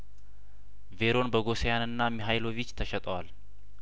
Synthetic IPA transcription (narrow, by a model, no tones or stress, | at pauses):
ve̞ɾo̞nbəɡo̞sejanɨnːamiɦajlo̞vit͡ʃːt̪ʰəʃɛt̪ʼəwal